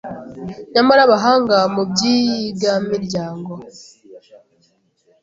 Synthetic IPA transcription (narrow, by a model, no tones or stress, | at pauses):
ɲamaɾaβaɦaːŋɡamubɟijiɡjamiɾɟaːŋɡo